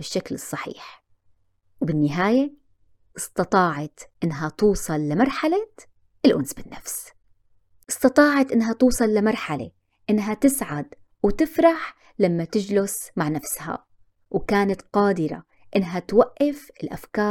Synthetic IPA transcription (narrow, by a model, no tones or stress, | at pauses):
bɪʃːaklɨsˤːɑħḭːħ | wbɪnːɪɦaːje | ʔɨst̪ɑt̪ˤɑːʕɑt̪ʔɪnːɦat̪uːsˤɑlːɪmɑɾˤħala | ʔɪlʔʊnsbɪnːafs | ʔɨst̪ɑt̪ˤɑːʕɑt̪ʔɪnːɦat̪uːsˤɑlːɪmɑɾˤħalḛ | ʔɪnːɦat̪ɪsʕad̪ | wt̪ɪfɾˤɑħ | lamːat̪ɪd͡ʒlʊsmaʕnafsha̰ | wkaːnat̪qɑːd̪ɪɾa̰ | ʔɪnːɦat̪waʔːɪfɪlʔafkɑː